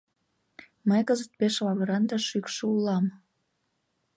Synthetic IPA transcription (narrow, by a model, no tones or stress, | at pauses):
məjkəzət̪̚peʃlɑβəɾɑnd̪ɑʃykʃəulɑm